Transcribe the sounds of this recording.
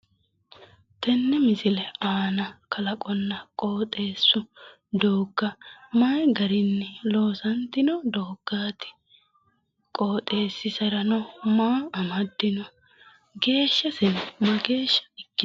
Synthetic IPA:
t̪ɛnːɛmɪsɪlɛaːnɐkʰɐlɐkʼɔnːɐkʼo̞ːt̪ʼe̞ːsːʊ | d̪oːɡːɐmaːjɡɐɾɪnːɛlo̞ːsɐnt̪ːɪnɔd̪oːɡ̥ːaːt̪ɪ̥ | kʼo̞ːt̪ʼe̞ːsːɪsɐɾɐnɔmaːɐmɐd̪ːɪnɔ | ɡe̞ːʃːɐsɛnɔmɐɡe̞ːʃːɐ̥ɛkːɪ

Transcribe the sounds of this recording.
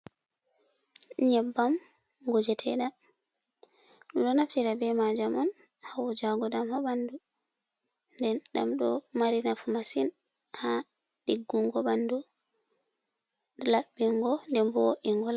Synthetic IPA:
ɲɛbːam | ɡod͡ʒɛtʰɛ̰ɗa | ɗumɗɔnaftiɾabɛmad͡ʒamɔn | hawɔd͡ʒaɡɔɗamhɔɓandu | ndɛnɗa̰mɗɔmaɾinafumasin | ha | ɗiɡːuŋɡɔɓandu | ɗɔlaɓːiŋɡɔndɛmbɔʔiŋɡɔla

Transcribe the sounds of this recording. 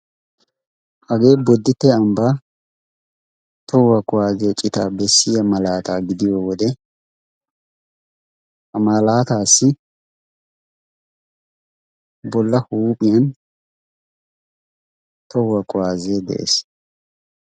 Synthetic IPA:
hɐɡe̞ːbɔd̪ːɪt̪ːɛɐmbaː | t̪ɔwɐkʼʊwaːzɪjɔt͡ʃʼɪt̪aːbɛsːɪjɐmɐlaːt̪aːɡɪd̪ɪjoːwɔd̪ɛ | hɐmɐlaːt̪aːsːɪ | bɔlːɐhuːpʼɪjɐn | t̪ɔwɐkʼʊwaːzed̪ɛ̰ʔḛːs

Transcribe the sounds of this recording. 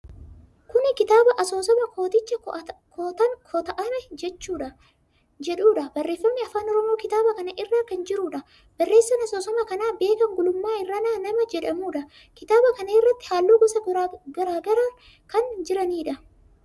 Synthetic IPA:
kʊnɪkɪt̪aːbɐʔɐso̞ːsɔmɐkoːt̪ɪt͡ʃːɐkʰɔt̪ɐŋkʰɔt̪ɐʔɐmɛd͡ʒɛt͡ʃːuːᶑɐ | d͡ʒɛᶑuːᶑɐbɐrːe̞ːfːɐmːiɐfaːnɔɾɔmo̞ːkɪt̪aːbɐkɐnɐʔɪrːaːkɐnd͡ʒɪɾuːᶑɐ | bɐrːe̞ːsːɐnɐsoːsɔmɐkɐnaːbe̞ːkɐŋɡʊlʊmːaːɪrːaːnaːnɐmɐd͡ʒɛᶑɐmuːᶑɐ | kɪt̪aːbɐkɐnɐɪrːɐt̪ːɪ̥haːlːuːɡɔsɐɡɐɾaːɡɐɾɐ | kɐnd͡ʒɪɾɐniːᶑɐ

